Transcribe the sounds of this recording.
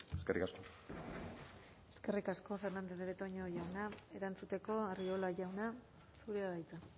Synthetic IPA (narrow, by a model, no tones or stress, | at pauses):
eskerikasko̞ | e̞̥ske̞rikasko̞fe̞ɾnand̪eðeβet̪oɲoʝawnae̞ɾant͡sut̪e̞ko̞ariolaʝawna | suɾeaðajt͡sa